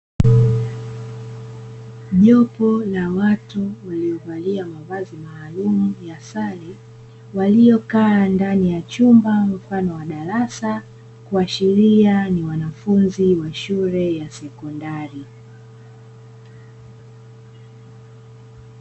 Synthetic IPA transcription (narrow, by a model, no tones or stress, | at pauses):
ʄɔpɔlawatuwaliɔvaliamavazimaːlumujasalɛ | walijɔkaːndanijat͡ʃumbam̩fanɔwaɗaɾasa | kuaʃiɾianiwanafunziwaʃuɾɛjasɛkɔndaɾi